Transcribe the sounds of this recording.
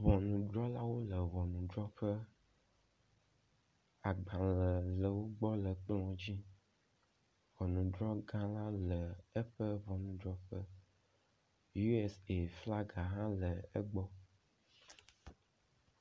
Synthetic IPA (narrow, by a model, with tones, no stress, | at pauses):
βɔ˨nũ˨ɖɾɔ˦la˦wo˦lə˨βɔ˨nũ˨ɖɾɔ˦ɸə˦ | a˨ɡ͡bã˨lə˨lə˨wo˦ɡ͡bɔ˦lə˨k͡plɔ̃˨˦d͡ʑi˦ | vɔ˨nũ˨ɖɾɔ˦ɡã˦la˦lə˨ə˦ɸə˦βɔ˨nũ˨ɖɾɔ˦ɸə˦ | ju˦ɛ˦se˨fla˦ɡa˨ɦã˦lə˨ə̰˦ɡ͡bɔ˦